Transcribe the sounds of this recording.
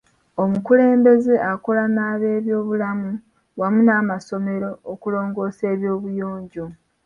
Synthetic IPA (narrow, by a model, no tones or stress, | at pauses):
omukule̞ːmbe̞zeakolanaːβe̞ːβjo̞ːβulamu | wamunaːmaso̞me̞ɾo̞ːkulo̞ːŋɡo̞ːse̞ːβjo̞ːβujoːɲɟo̞